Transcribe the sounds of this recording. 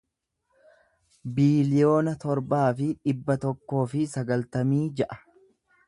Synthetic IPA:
biːlɪjo̞ːnɐt̪ɔɾbaːfɪᶑɪbːɐt̪ɔkːo̞ːfɪsɐɡɐlt̪ɐmiːd͡ʒɛʔɐ̥

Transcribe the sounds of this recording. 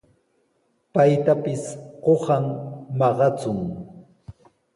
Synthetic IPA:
pajt̪apɪsqohɑmmɑɢɑt͡sʊŋ

